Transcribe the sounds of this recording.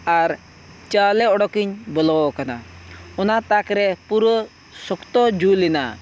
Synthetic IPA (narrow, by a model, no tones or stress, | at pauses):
aɾ | t͡ʃalɛɔɽɔkiɲbəlɔɔkana̰ɔnat̪akɾɛpuɾɔ | sɔkt̪ɔd͡ʒulina̰